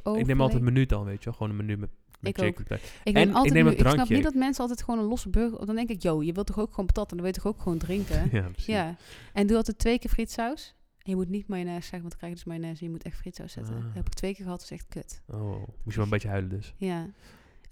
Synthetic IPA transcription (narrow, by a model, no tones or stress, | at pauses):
oɪknemɔlˠɛtmənydɔnʋeːtjʋɛlˠxʋoːnəmənymɛ | ɪkoɪktɛ̰ɪkemɔltɪkneːmərɑŋnɑpjnidɔtmɛnsəɑlˠt̬ɛjtxəʋoːnənlɔsəbøɣə̰dɔndɛŋkɪkjowjəʋɪlˠtɔxowkxʋoːnptɔtəndɔnʋɪlˠjətɔxowkxəʋowndrɪŋkəajaɛnduɑlˠtɛtːʋejkɪːɹfritsaws | ɛnjəmutnitmɛjnɛsɛɣəʋɔntɪkrɛjxj̚dəsmɛjnɛsjəmutɛxtfritsa̰wsɛ̰tə̰hɛpɪk̚tʋejkɪːɹɣəɦɑtʋɑsɛxt̚køtomutjəʋləbetjəœɥlədøsja